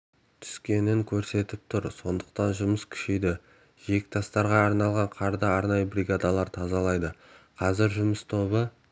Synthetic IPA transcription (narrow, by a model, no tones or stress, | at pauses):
t̪ʰʏ̥skʲe̞nɪŋkʲʰɵɾse̞t̪ɪp̚t̪ʰʊɾso̞nd̪əq̚t̪ɑnʒʊməskʲʰʏ̥ʃejd̪ɪ | ʒe̞kʲɪ̥t̪ʰɑst̪ɑɾʁɑːɾnɑlˠʁɑɴqʰɑɾd̪ɑɑɾnɑjəbriɡad̪alˠɑɾt̪ʰɑzɑlˠɑjd̪əqʰɑzɪɾʒʊməst̪ʰo̞βə